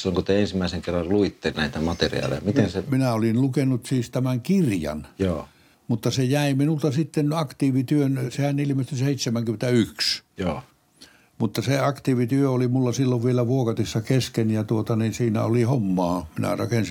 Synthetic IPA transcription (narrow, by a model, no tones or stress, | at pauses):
silːoŋkot̪eensimːˑæˑiseŋkerːɑlluit̪ːenæˑit̪æmɑt̪ḛrḭɑ̰ːlḛjɑmit̪enseminæolinlukenːˑut̪siːst̪æmæŋkirjɑ̰njo | mut̪ːɑsejæiminult̪ɑsit̪ːenɑkt̪iːʋit̪yønsehænilimest̪yseit̪semæŋkyment̪æyksjoː | mut̪ːɑseɑkt̪iːʋit̪yøolimulːɑsilːoʋʋielæʋuokɑt̪isːɑkeskenjɑt̪uot̪ɑninsiːnæ̰olihomːɑːminæ̰rɑkensi